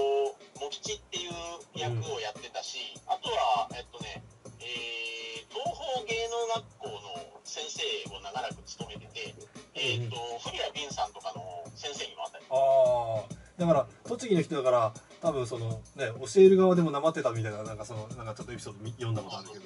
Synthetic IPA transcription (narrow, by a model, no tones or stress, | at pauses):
omo̞kʲi̥t͡ɕit̪ːe̞jɯ̟ːjakɯ̟o̞jat̪ːe̞t̪aɕiat̪o̞βae̞t̪ːone̞eːt̪o̞ːho̞ːɡe̞ːno̞ːɡakːo̞ːno̞sẽ̞ɰ̃se̞ːonaɡaɾakɯ̟̥t͡si̥t̪o̞me̞t̪e̞t̪e̞eːo̞ɸɯɾʲiɾabʲĩɰ̃sãnt̪o̞kano̞sẽ̞ɰ̃se̞ːɲ̟imoat̪ːḁaː | d̪akaɾat̪o̞t͡ɕiɡʲinoçi̥t̪o̞d̪akaɾat̪abɯ̟̃ɰ̃so̞no̞ne̞o̞ɕieɾɯ̟ɡaβad̪e̞mo̞namat̪ːe̞t̪amʲit̪ainanãŋkaso̞nonãŋkat͡ɕot̪ːoe̞pʲiso̞ːd̪o̞mʲijond̪amot̪ad̪ked̪o